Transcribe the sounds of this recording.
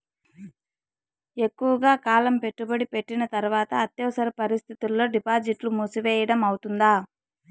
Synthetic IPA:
e̞kːuʋɐɡaːkaːlɐmpe̞ʈːubɐɽipe̞ʈːinɐt̪ɐɾuʋaːt̪ɐːt̪jɐʋsɐɾɐpɐɾist̪ʰit̪ulːo̞ːɖipaːd͡ʒiʈlumusuʋɛːjɐɽɐmɐwut̪und̪aː

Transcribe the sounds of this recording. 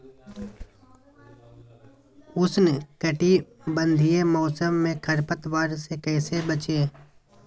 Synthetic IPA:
ʊsnkəʈi | bə̃nd̪ʱijemɔːsəmːẽkʰɐɾpət̪ʋaːɾsekɛːsebət͡ʃeː

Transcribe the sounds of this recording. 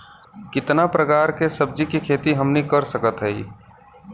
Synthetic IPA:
kɪt̪napɾəkaːɾkesəb̚d͡ʒikikʰeːt̪iɦəmnikəɾsəkət̪ɦɛḭ

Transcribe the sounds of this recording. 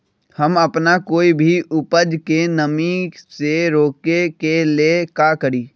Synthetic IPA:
hɐmɐpnakoːibʱiʔʊpəd͡ʒkenɐmĩseɾoːkekelekaːkəɾiː

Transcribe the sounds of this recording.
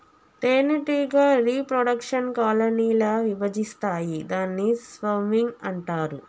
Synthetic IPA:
ʈeːniʈiɡaːɾiːpɾoɽɐkʂɐnkaːlɐniːlɐʋiʋɐd͡ʒist̪aːjid̪aːnːisʋɐmiŋɡɐɳʈaːɾu

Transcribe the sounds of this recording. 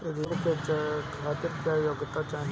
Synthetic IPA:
ɾiɾket͡ʃakʰaːt̪ɪɾkjaːjoɡt̪at͡ʃaːɦ

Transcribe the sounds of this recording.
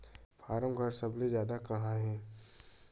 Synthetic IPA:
fʰaːɾəmɡʱəɾsɐblezjaːd̪akɐɦãɦɛ̃ː

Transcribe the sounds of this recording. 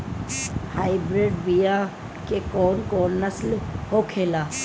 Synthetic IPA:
haːɪbɾeːɖbija | kekɔːnkɔːnːəslhokʰeːlaː

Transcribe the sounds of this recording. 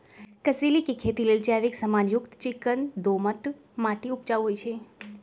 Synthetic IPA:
kəsilikekʰet̪ilelt͡ʃaʋiksəmanjʊkt̪t͡ʃikənd̪oməʈ | maʈiup̚t͡ʃaʋɦojt͡ʃʰe

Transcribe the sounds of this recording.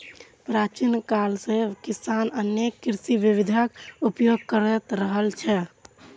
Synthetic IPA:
pɾat͡ʃinkalsẽkisanənjekːiɾsiʋibid̪ʱakupjoɡ̚kəɾɛt̪ɾəɦəlt͡ʃʰɛ

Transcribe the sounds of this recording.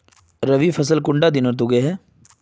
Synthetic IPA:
ɾɐʋifʰɐsəlkʊ̃ɳɖad̪ɪnəɾt̪uɡeɦɛː

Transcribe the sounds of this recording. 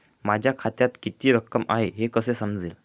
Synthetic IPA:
mad͡ʑʱjakʰat̪jat̪kit̪iːɾəkːəma̰ɦeɦekəsesəmd͡ziːl

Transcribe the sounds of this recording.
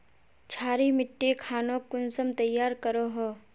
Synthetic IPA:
t͡ʃʰaːɾimɪʈːekʰaːnõkʊnsəmt̪ɐjːaːɾkəɾoɦoː

